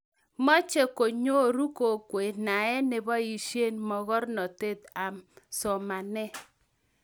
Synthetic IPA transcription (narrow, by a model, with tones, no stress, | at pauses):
mɔ˦t͡ʃe˦ko˨ɲo˦ɾu˦ko˨kwe˨na˨ɛ˦ne˨bɔ˦i˨ʃe˦˨nmɔ˨ɣɔ˦ɾnɔ˨te˦t̪a˨msɔ˨ma˨nɛ˦